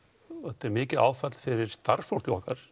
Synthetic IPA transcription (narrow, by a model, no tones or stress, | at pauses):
ɛt̪ːɛɾmɪːcɪðaːwfɛt̪l̥fɪɾɪɾ̥st̪ar̥sfowl̥cɪɔhkaɾ̥